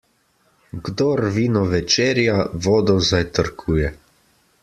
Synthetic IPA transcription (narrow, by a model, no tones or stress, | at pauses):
ɡd̪oːɾʋiːnɔʋɛt͡ʃeːɾjaʋɔːd̪ɔzajt̪əɾkʰuːjɛ